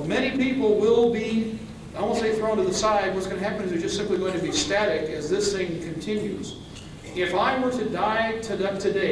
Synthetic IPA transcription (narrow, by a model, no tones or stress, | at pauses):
mɛñipipl̩ˠwɪlˠbi | ɔmseɪθɹõʊ̃ntɨðəsaɪd̚wʌtsɡ̥ʌnɨɦæpɨ̃nɨzðə˞d͡ʒʌstsɪ̃mpliɡoʊɪ̃ŋtʰɨbistæɾɪkɨzðɪsθɪ̃ŋkʰɨ̃n̩tʰɪ̃njʉ̰z | ɪfaɪwə˞ɾɨdaɪɾʰɨðʌtʰɨdeɪ